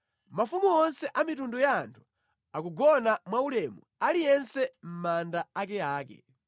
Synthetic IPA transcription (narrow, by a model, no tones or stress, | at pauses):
mafumuɔnsɛʔamitundujaːntʰu̥ | akuɡɔnamwaulɛmu | alijɛnsɛm̩mandaak̬ɛaːkɛ̰